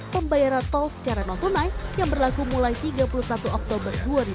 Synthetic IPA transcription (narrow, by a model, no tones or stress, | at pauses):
pəmbajaɾant̪ɔlsə̥t͡ʃaɾanɔnt̪ɔnajjaŋbərlaɡumulajt̪iɡapulusat̪uʔɔk̚t̪obərduaɾi